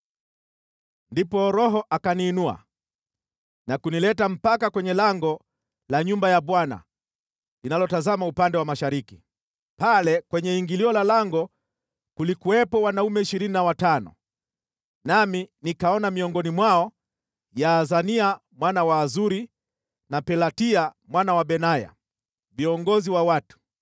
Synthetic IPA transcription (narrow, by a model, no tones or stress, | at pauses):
ndipɔɾɔɦɔʔakaniːnua̰ | nakunilɛtam̩pakakwɛɲɛlaŋɡɔ | laɲumbajaɓwana̰ | linalɔtazamaupandɛwamaʃaɾiki | palɛkwɛɲɛiŋɡiliɔlalaŋɡɔ | kulikuwɛpɔwanaumɛiʃiɾininawatanɔ̰ | naminikaɔnamiɔŋɡɔnimwaɔ | jaːzania | mwanawaːzuɾi | napɛlatia | mwanawaɓɛnaja̰ | viɔŋɡɔziwawatu̥